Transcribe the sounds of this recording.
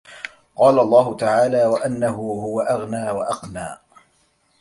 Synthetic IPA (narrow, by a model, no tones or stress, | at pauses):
qɑːlaʔɑlˤːɑːɦʊt̪aʕaːlaːwaʔanːaɦʊɦʊwaʔaɣnaːwaʔɑqnaː